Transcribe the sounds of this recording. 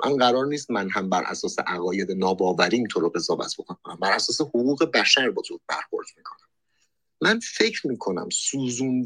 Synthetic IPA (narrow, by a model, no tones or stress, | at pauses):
ʔæ̰nɢæɾɒːɾniːst̪mænɦæmbæɾʔæ̰sɒːseʔæɣɒːjed̪enɒːbɒːvæɾiːint̪ʰoɾoɣe̞zɒːvæ̰t̪ʰb̥okʰonæmbæɾæsɒːsehoɣuːɣe̞bæʃæɾbɒt̪ʰobæ̰ɾxo̞̰ɾd̪̥miːkʰo̞næmː | ænfe̞cʰɾmiːkʰo̞næ̰msuːzuːn